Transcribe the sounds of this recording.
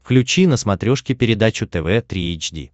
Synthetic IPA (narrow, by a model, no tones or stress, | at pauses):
klʲʉt͡ɕinəsmɐt̪ɾʲoʂkʲɪpʲɪɾʲɪd̪at͡ɕʊt̪ɛvɛt̪ɾʲiejt͡ɕdʲḭ